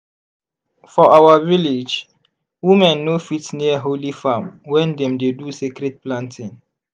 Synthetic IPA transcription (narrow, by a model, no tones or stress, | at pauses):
fɔʔawaviled͡ʒ | wimɛ̃nːofitniəɦolifãmwɛ̃ndɛ̃mdedusekɾɛd̚plãntʰĩŋ